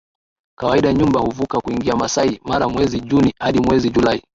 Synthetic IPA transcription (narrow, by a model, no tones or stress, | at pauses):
kawaiɗaɲumbahuvukakuiŋɡiamasaimaɾamwɛziʄunihaɗimwɛziʄulai